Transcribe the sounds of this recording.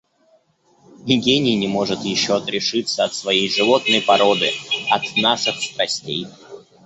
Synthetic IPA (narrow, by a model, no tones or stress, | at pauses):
nʲɪɡʲenʲɪjnʲɪmo̞ʐɨt̪jɪɕːoɐt̪ɾʲɪʂɨt̪səɐt̪svɐjejʐɨvo̞t̪nəjpɐɾo̞d̪ɨɐt̪naʂɨxst̪ɾɐsʲtʲej